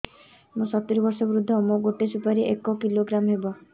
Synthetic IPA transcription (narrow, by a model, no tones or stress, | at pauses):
mũsɔt̪ːiɾɔbɔɾsɔbɾud̪ʱːɔmoɡoʈesupaɾiʔekɔkiloɡɾamɦebɔ